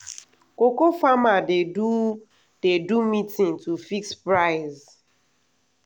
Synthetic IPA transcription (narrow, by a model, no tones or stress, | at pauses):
kokofamadedu | d̥edumitĩŋtufikspɾaɪz